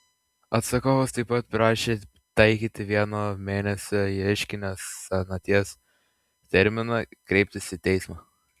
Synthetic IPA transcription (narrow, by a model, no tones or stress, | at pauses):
ɐt̪sɐkoːʋost̪ɐɪpːɐt̪̚pɾɑːʃʲeː | t̪ɐɪkʲiːt̪ʲɪʋʲiɛnoːmʲeːnʲɛsʲoːɪɛɪʃʲkʲɪnʲesɐnɐt̪ʲiɛs | t̪ʲɛɾʲmʲɪnɑkɾʲɛɪp̚ʲt̪ʲɪsɪt̪ʲɛɪsmɑː